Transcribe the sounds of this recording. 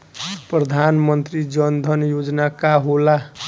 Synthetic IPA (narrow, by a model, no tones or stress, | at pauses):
prʌd̪ʱanmʌnt̪rid͡zʌnd̪ʱʌnjod͡znakaɦola